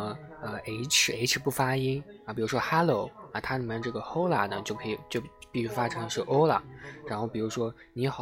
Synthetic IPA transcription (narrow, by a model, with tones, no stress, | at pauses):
ə˧e˧˥ɪʈ͡ʂ̩ʰ˨˧˩e˧˥ɪʈ͡ʂ̩ʰ˧˩pu˥˩fa˥i˥nɐ˧˩pi˨˩ɻu˧˥ʂwɔ˥xa˥lo˥˩ʊɐ˧˩t̪ʰa˥li˨˩mjn˧ʈ͡ʂɤ˥˩ɡə˩xo˥ʊla̰˨˩nə˨t͡ɕjo˥˩ʊkʰɤ˧˥i˨˩t͡ɕjo˥˧ʊpi˥˩˧ɕy˥˧fa˥ʈ͡ʂʰɤ˧˥ŋ˧ʂɻ̩˥˧ʔo˥ʊla̰˨˩˦ɻa˧˥nxo˥˩ʊpi˨˩ɻu˧˥ʂwɔ˥ | ni˧˥xɑ˨˩